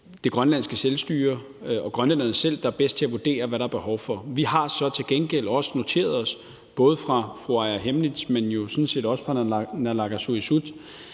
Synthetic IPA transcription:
d̥e̝ɡ̥ʁɶnlænsɡ̥əselsd̥y̰ːɐ | ɒ̽ɡ̥ʁɶnlenɐnəsel̰d̥ɑ̈æɐb̥esd̥̚t͡sʰe̝æʋud̥e̝̰ːɐʋæɾɑ̈æɐb̥e̝hɒ̽ʊfɒ̽ʋihɑ̈sɒ̽t͡sʰe̝lɡ̥enɡ̥el̰ɒ̽sə̥no̝t͡sʰe̝̰ːɐð̞ˠɒ̽s | b̥ɔ̽ːð̞̩ˠfʁɑ̈fʁoæɐɦemlid̥smenjo̝sɔ̽nse̝̰ːdɒ̽sə̥fʁɑ̈nælɑ̈ɡ̥æsuisud̥

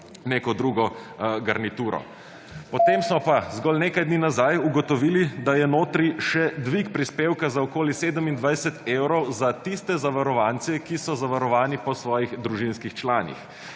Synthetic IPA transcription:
neːkɔd̪ɾuːɡɔɡaɾnit̪uːɾɔ̰ | pɔt̪emsmɔpazɡɔlneːkajd̪niːnazajuɡɔt̪ɔʋiːlid̪ajɛnoːt̪ɾiʃɛd̪ʋikpɾispeːwkazaɔkoːliseːd̪əmind̪ʋajsɛt̪eːwɾɔwzat̪ist̪ɛzaʋaɾɔʋant̪sɛkisɔzaʋaɾɔʋaːnipɔsʋɔːjiɣd̪ɾuʒinskixt͡ʃlaːnḭx

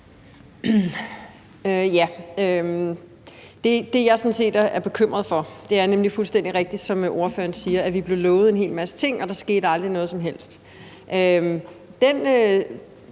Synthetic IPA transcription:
øjæø | d̥e̝d̥e̝jɑ̈ɪsɒ̽nse̝̰ːd̥æɐʔæɐb̥e̝kʰøm̰ʁɐð̞ˠfɒ̽d̥e̝æɐnemlifulsd̥en̰d̥iʁɛɡ̥̚d̥id̥sɒ̽mʔo̝ɐfø̰ːɐnsiːɐʔæʋib̥le̝ʊlɔ̽ːʊð̩ˠe̝ne̝̰ːlmæsə̥t͡sʰe̝ŋ̰ɒ̽d̥ɑ̈sɡ̥e̝̰ːd̥ɑ̈ld̥ʁinɔ̽ːðˠsɒ̽mɦel̰sd̥ | ʔø | d̥enø

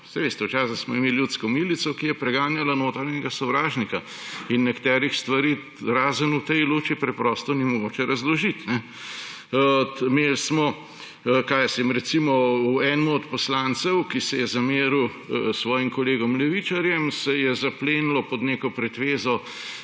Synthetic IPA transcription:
sɛjʋeːst̪ɛwt͡ʃaːsaxsmɔimeːljut̪skɔmilit̪sɔkijɛpɾɛɡaːnjalanoːt̪ɾaɾnɲɛɡasɔwɾaːʒnika | inːɛkt̪ɛːɾixst̪ʋaɾiː | ɾaːzənut̪ɛjluːt͡ʃipɾɛpɾɔːst̪ɔnimɔɡoːt͡ʃɛɾɐzlɔʒit̪nɛ | melsmɔ | kaːjsɛmɾɛt̪simɔuɛːnmuɔt̪pɔslant̪sɛwkisɛjɛzameːɾu | sʋɔːjimkɔleːɡɔmlɛʋit͡ʃaɾjɛmsɛjɛzapleːnlɔpɔd̪neːkɔpɾɛt̪ʋeːzɔ

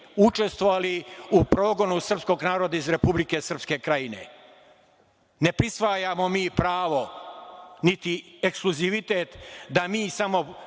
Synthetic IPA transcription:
ut͡ʃe̞st̪ʋoʋaliupɾo̞ːɡo̞nusr̩psko̞ɡnaːɾo̞d̪aizɾe̞publike̞sr̩pske̞kɾajine̞̰ | ne̞pɾisʋaːjamo̞miːpɾaːʋo̞ | nit̪iekskluziʋit̪e̞ːt̪d̪amiːsamo̞

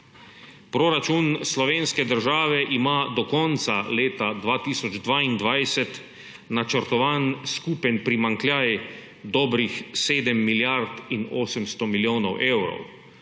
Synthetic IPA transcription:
pɾoɾat͡ʃunslɔʋeːnskɛd̪əɾʒaːʋɛʔimad̪ɔkɔnt̪saleːt̪ad̪ʋaːt̪iːsɔd͡ʒd̪ʋaːind̪ʋajsɛt̪ | nat͡ʃəɾt̪ɔʋaːnskupɛnʲpɾimaŋklʲjaːj | d̪ɔːbɾixseːd̪ɛmːiljaɾt̪ino̰ːsɛmst̪ɔmiljoːnɔwʔeːwɾɔ̰w

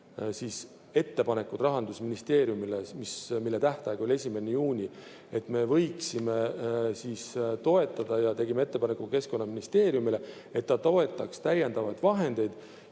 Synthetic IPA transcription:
siːs | e̞t̪ːe̞pɑne̞kːˑut̪rɑɦɑnd̪̥usminist̪e̞ːɾijumilemismilːet̪æht̪ɑeɡ̥o̞lʲe̞sʲime̞nejuːnʲi | e̞t̪ːˑme̞vɤjksime̞sist̪o̞e̞t̪ːˑɑd̪̥ɑjɑt̪e̞ɡimee̞t̪ːe̞pɑnekːuke̞sko̞nːɑminist̪e̞ːɾjumile | e̞t̪ːɑt̪o̞e̞t̪ːˑɑkst̪æje̞nd̪̥ɑvɑjd̪vɑɦe̞nd̪̥e̞jd̪̥

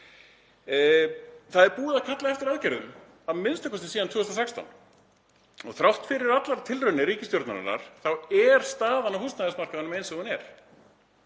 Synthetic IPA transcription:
θaðɛɾpuːðacʰat̪laɛft̪ɪɾaðcɛɾðʏm | aðmɪnst̪ɛkvast̪ɪsiːðant̪ʰøːœst̪ɾasɛkst̪a̰wn | ɔɣθɾawht̪fɪɾɪɾat̪laɾt̪ʰɪlrœnɪɾiːcɪst̪jɔɾt̪naɾ̰na̰ɾ̥θawɛɾ̥st̪aːðanːahust̪naðɛsmar̥kaanʏmejnsɛhunɛɾ̥

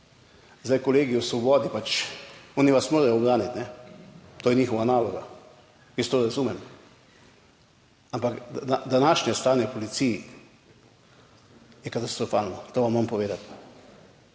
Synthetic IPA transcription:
zd̪ajkɔleːɡiwsʋɔbɔːd̪ipat͡ʃɔːniʋasmoːɾajɔɔbɾaːnit̪nɛ | t̪oːjɛniːxɔʋanaːlɔɡa | kist̪oːɾazuːmɛm | ampak̪ad̪anaːʃnjɛst̪aːnjɛpɔlit̪sij | jɛkat̪ast̪ɾɔfaːlnɔt̪oːʋamːampɔʋeːd̪at̪

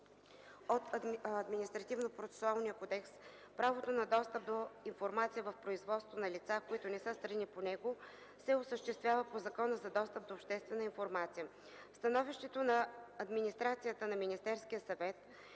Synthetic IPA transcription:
ot̪ːd̪minist̪ɾɐt̪ivnopɾot̪sɛ̥sʊalˠnijəkod̪ɛks | pɾavot̪onɐd̪ɔst̪əp̚d̪oinfoɾmat̪sijəvəfpɾoizvɔt̪st̪vonɐlit̪sakoit̪onɛsɤst̪ɾɐniponɛɡo | sɛosəʃt̪ɛst̪vʲjavəpozɐkɔnəzɐd̪ɔst̪əp̚d̪oːpʃt̪ɛst̪vɛnəinfoɾmat̪sijə | fst̪ɐnɔviʃt̪ɛt̪onɐːd̪minist̪ɾat̪sijət̪ənɐminist̪ɛɾskijəsɐvɛt̪̚

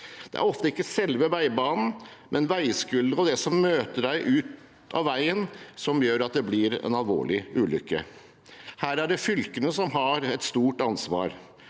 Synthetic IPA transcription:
d̪̥ɛʔæ̰ɾɔft̪əɪkːəsɛlʋəʋæɪbɑːnn̩mʔɛnʋæɪskʉld̪əɾɔd̪ɛsɔmːøːt̪əɖæɪʔʉːt̪ | ɑ̰ʋæɪənsɔmjøːɾɑt̪̚d̪ɛblɪɾɛ̰nɑlʋo̰ːɭɪʉːlʏkːə̰ | hæːɾæɖɛfʏlkənəsɔmɦɑɾɛt̪st̪uːʈɑnsʋɑ̰ːɾ

